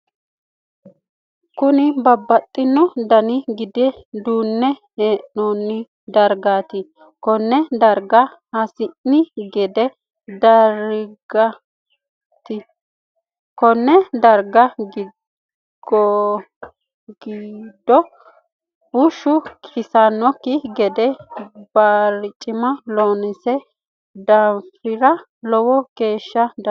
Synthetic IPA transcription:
kʊnɪbɐbːɐt̪ʼːɪnːɔd̪ɐnɪɡɪd̪ɛd̪uːnːɛheːʔnoːnːɪ | d̪ɐɾɡaːt̪ɪ | kɔnːɛd̪ɐɾɡɐhɐsɪnnɪɡɛd̪ɛ | d̪ɐɾɡɐ | t̪ɪ | kɔnːɛd̪ɐɾɡɐɡɪ | ɡ̥ɔ | ɡiːd̪ɔ | bʊʃʊkʰɪsɐnːɔkːɪɡɛd̪ɛbaːɾɪt͡ʃʼːɪmɐloːnɪsɛ | d̪ɐfɪɾɐ | lɔwɔke̞ːʃːɐd̪

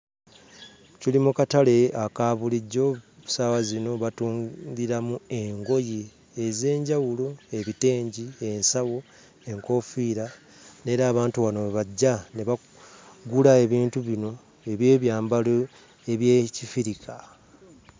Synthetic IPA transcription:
cilimukatale̞akaːβuliɟːo̞ | sawazino̞βatuːŋɡiɾamue̞ŋɡo̞ji | eze̞ːɲɟawuloe̞βite̞ːɲɟie̞nsawo | eŋko̞fiɾa | ne̞ːɾaːβaːntuβano̞βaɟːane̞βa | ɡulae̞βiːntuβino̞ | e̞βje̞ːβjaːmbalo | eβjeːcifiɾikʰa

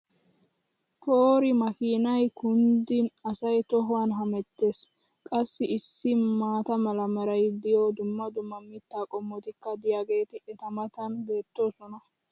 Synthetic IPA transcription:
pʰoːɾɪmɐkiːnɐjkʊnd̪ɪnɐsɐjt̪ɔɦʊwaːnɦɐmɛt̪ːe̞ːs | kʼɐsːɪɪsːɪmaːt̪ɐmɐlɐmɐɾɐjd̪ɪjoːd̪ʊmːɐd̪ʊmːɐmɪt̪ːaːkʼɔmːɔt̪ɪkːɐd̪ɪjaːɡe̞ːt̪ɪʔɛt̪ɐmɐt̪ɐnbe̞ːt̪ːo̞ːsɔnɐ

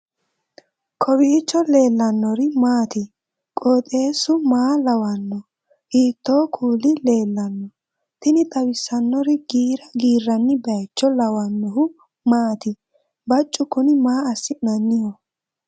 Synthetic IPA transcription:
kʰɔwiːt͡ʃːɔle̞ːlːɐnːɔɾɪmaːt̪ɪ | kʼoːt̪ʼe̞ːsʊmaːlɐwɐnːɔ | hiːt̪ːo̞ːkʰuːlɪle̞ːlːɐnːɔ | t̪ɪnɪt̪ʼɐwɪsɐnːɔɾɪɡiːɾɐɡiːrːɐnːɪbɐjt͡ʃːɔlɐwɐnːɔhʊ | maːt̪ɪ | bɐt͡ʃʼːʊkʊnɪmaːɐsːɪnɐnːɪjɔ

